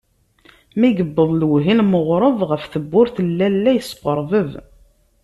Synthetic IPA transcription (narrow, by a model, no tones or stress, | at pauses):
miɡəbːəðˤlwɦilməʁɾˤəvʁəfθəbːʊɾθəlːælːæjəsə̥qəɾˤvəv